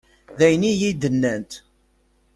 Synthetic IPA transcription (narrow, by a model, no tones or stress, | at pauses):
ðæjnijid̪ənːænt̪